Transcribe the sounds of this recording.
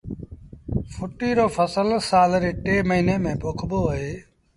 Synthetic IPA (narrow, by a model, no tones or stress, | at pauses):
fʰʊʈiːɾoːfʰəsəlsaːlɾeːʈeːməɦiːneːmẽːpoːkʰboːɦeː